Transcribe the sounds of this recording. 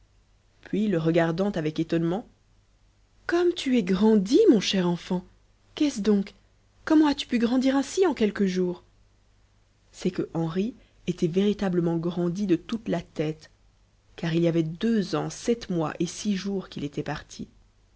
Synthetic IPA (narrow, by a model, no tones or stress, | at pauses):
pʰɥiləʁəɡaʁd̪ɑ̃t̪avɛket̪ɔnmɑ̃ | kɔmt̪ʰyɛɡʁɑ̃d̪imɔ̃ʃɛʁɑ̃fɑ̃ | kɛsd̪ɔ̃k | kːɔmɑ̃at̪y̥pyɡʁɑ̃d̪iʁɛ̃siɑ̃kɛlkəʒuːʁ | sɛkəʔɑ̃ʁi | et̪ɛveʁit̪abləmɑ̃ɡʁɑ̃d̪id̪ət̪ut̪lat̪ɛt̪ | kaʁilijavɛd̪øzɑ̃sɛt̪mwa̰ʔesiʒuʁkilet̪ɛpaʁt̪ʰi